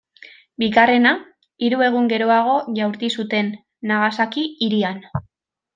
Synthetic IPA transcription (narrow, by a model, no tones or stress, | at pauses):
biɣare̞na | iɾue̞ɣ̞uŋɡe̞ɾo̞aɣ̞o̞ʝawɾt̪isut̪e̞nː | aɣasakiːɾian